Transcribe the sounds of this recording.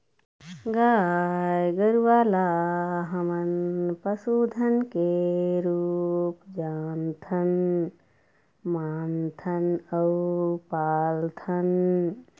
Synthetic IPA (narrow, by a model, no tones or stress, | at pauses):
ɡaːjɡɐɾuʋaːlaːɦɐmɐnpɐsuːd̪ʱɐnkeɾuːpd͡ʒaːnt̪ʰɐn | maːnt̪ʰɐnɐwpaːlt̪ʰɐn